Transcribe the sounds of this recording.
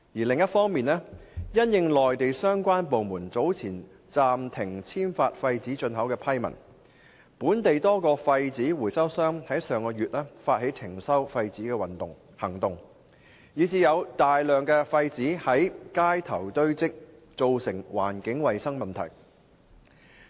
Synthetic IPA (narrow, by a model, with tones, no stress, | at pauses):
jiː˨˩lɪ˨ŋjɐ˥t̚fɔː˥ŋmiː˨nɛː˥jɐ˥njɪ˧ŋlɔː˨jt̪e˨jsœː˥ŋkʷaː˥npo˨wmuː˨˩nt͡so˨˥wt͡sʰiː˨˩n | t͡saː˨mt̪ʰɪ˨˩ŋt͡sʰiː˥mfaː˧t̚fɐ˧jt͡siː˨˥t͡ʃɵ˧nɦɐ˨˥wkɛː˧pʰɐ˥jmɐ̰˨˩n | puː˨˥nt̪e˨jt̪ɔː˥kɔː˧fɐ˧jt͡siː˨˥wuː˨˩jsɐ˥wsœː˥ŋhɐ˨˥jsœː˨˧ŋkɔː˧jyː˨t̚lɛː˥faː˧t̚he˨˥jt͡s̪ʰɪ˨˩ŋsɐ˥wfɐ˧jt͡siː˨˥kɛː˧wɐ˨˩nt̪ʊ˨ŋ | hɐ˨˩ŋt̪ʊ˨ŋ | jiː˨˧t͡siː˨˧jɐ˨˧wt̪aː˨jlœː˨ŋkɛː˧fɐ˧jt͡siː˨˥hɐ˨˥jkaː˥jt̪ʰɐ˨˩wt̪ɵ˥ɥt͡sɪ˥k̚t͡so˨wsɪ˨˩ŋwa̰ː˨˩nkɪ˨˥ŋwɐ˨jsɐ˥ŋmɐ˨nt̪ʰɐ̰˨˩j